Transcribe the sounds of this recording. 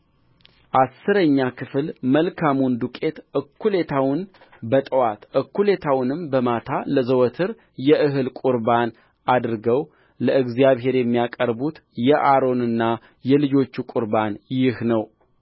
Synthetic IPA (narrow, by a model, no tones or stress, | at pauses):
ʔasːɨɾəɲːakʰɨfɨlməlkʰamund̪ukʼe̞t̪ʔɨkːule̞t̪ʰawʊn | bət̪ʼəwat̪ʔɨkːule̞t̪ʰawnɨmbəmat̪ʰaləzəwɔt̪ʰɨɾ | jɛʔɨɦɨlkʷʼuɾban | ʔad̪ɾɨɡəw | ləɨɡzijaβɦe̞ɾjɛmːijakʼəɾbut̪jɛʔaɾo̞nɨnːa | jɛlɨd͡ʒo̞t͡ʃːukʼuɾbanjɪhnəw